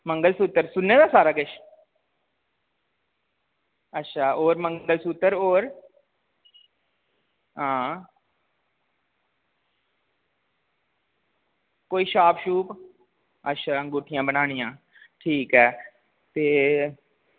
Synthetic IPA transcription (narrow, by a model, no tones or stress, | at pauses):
məŋɡəlsut̪ːəɾsʊnːeːd̪aːsaːɾaːkɪʃ | ətːʃʰaːʔoːɾməŋɡəlsuːt̪əɾoːɾ | ɦãː | koːiːʃaːpʰʃuːp | ətːʃʰaːə̃ŋɡʊːʈʰɪjãːbənaːɽ̃ɪjãː | ʈʰiːkɦɛː | t̪eː